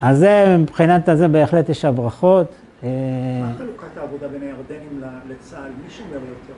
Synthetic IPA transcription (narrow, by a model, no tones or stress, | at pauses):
azemibχinat̪azebe̞ːχle̞t̪jeʃabʁaχo̞t̪ | eilukat̪aːvod̪abenaaʁd̪enimlalet͡salmiʃumɡabejot̪e